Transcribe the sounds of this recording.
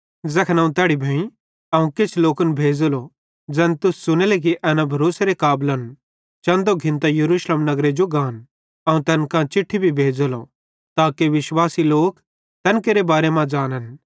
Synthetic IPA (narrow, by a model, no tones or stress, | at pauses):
zɐkʰnãũt̪ɛːɽibʱɐĩ | ɐũkɪt͡ʃʰloːkənbʱeːd͡zəlo | d͡zɛːnt̪ʊssʊnelek̬iʔɛːnãbʱɐɾoːseɾekaːblən | t͡ʃɐ̃nd̪oɡʱɪ̃nt̪ajɐɾuːʃləmnɐɡɾed͡ʒoɡãːn | ɐũt̪ɛːnkãt͡ʃɪʈʰːibʱibʱeːd͡zlo̰ | t̪aːkeʋɪʃwaːsiloːk | t̪ɐːnkeɾebaːɾemãd͡ʒaːnən